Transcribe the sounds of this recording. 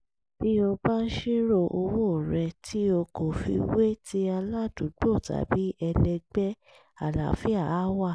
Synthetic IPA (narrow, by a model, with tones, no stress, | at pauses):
b̥i˦o˧ba˦n̩˦ʃi˦ɾo˦˧˨ʔo˧wo˦˨ɾɛ˧tʰi˦o˧ko˨fḭ˧we˦tʰi˦a˧la˦˨du˨˦ɡ͡bo˦˨ta̰˨˦bi˦ɛ˧lɛ˧ɡ͡bɛ˦ | a˦˨la̰˨fi˦a˦˨˦wa˦˨